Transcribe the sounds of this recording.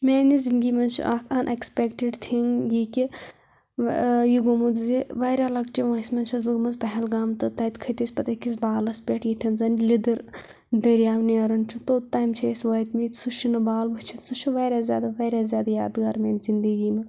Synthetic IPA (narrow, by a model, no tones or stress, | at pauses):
meːnizind̪ɡiːmɐnt͡ʃʰḭʔɐkʰɐnʔekspekʈiɖt̪ʰiŋjiki | jiɡomud͡zziʋɐjɾʲalɐɡ̚t͡ʃiʋɐːsmɐnt͡ʃʰɐsʋuɡmɐzpɐɦɛlɡaːmt̪ɨt̪ɐːjt̪kʰɐt̪isʲpɐt̪ɐkis̬baːlɐspʲeʈjit̪ʰʲɐnzɐnlid̪ɨɾ | d̪ɐɾjaːʋniɐɾɐnt͡ʃʰut̪oːt̪aːjmt͡ʃʰesʋɐt̪mit̪suʃinɐbaːlbɐt͡ʃʰit̪suʃiʋɐːjɾʲaːzja̰ːd̪aʋɐːɾʲaːzʲjaːd̪ajaːd̪ɡaːɾmeːnzind̪əɡiːmɐ